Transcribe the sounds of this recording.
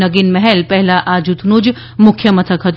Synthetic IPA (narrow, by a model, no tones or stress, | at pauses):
ɐɡinmɛɦɛlpɛɦlaʔaːd͡ʒut̪ʰnud͡ʒ | mʊkʰjəmɐt̪ʰəkɦɐt̪